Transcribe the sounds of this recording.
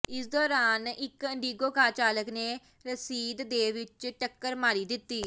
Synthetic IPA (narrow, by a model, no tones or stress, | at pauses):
ɪsd̪ɔːɾaːnɪkəɳɖiːɡoːkaːt͡ʃaːləkneː | ɾəsiːd̪d̪eːʋɪt͡ʃʈəkːəɾmaːɾiːd̪ɪt̪ːiː